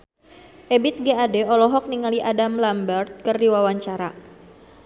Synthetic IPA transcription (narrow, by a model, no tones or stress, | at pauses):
ʔebit̪̚ɡeadɛɔlɔɦɔk̚niŋaliʔadamlambərt̪̚kərdiwawaɲt͡ʃaɾa